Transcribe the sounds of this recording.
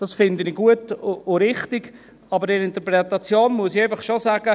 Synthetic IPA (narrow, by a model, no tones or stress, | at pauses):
d̥ɑsfɪnd̪əniɡuətʊʊɾɪχtɪɡ | ɑbəɾɪnɪnt̪əɾpɾɛt̪ɑt͡sjoːnmuəsieɪfəχʃosaːɡ̥ə